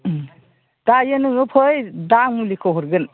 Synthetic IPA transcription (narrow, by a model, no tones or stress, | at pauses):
d̥ajɯnɯŋɯpʰɯjdaŋmulikʰɔɦɔɾɡɯn